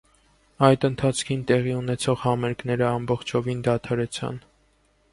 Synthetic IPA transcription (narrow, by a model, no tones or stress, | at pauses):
ɑjd̪ənt̪ʰɑt͡sʰkʰint̪ɛʁiunɛt͡sʰɔʁhɑmɛɾkn̪ɛɾəɑmbɔχt͡ʃʰɔvind̪ɑt̪ʰɑɾɛt͡sʰɑ̰n